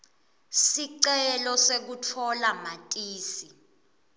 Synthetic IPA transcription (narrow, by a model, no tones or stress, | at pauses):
siǀɛlɔsek̬utʰɔlamatʼiːsi